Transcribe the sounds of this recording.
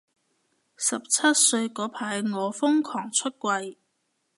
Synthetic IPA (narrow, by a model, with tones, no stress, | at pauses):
sɐ˨p̚t͡sʰɐ˥t̚sɵ˧ɥkɔː˨˥pʰaː˨˧˥jŋɔː˨˧fʊ˥ŋkʰɔː˨˩ŋt͡ʃʰɵ˥t̚kʷɐ˧j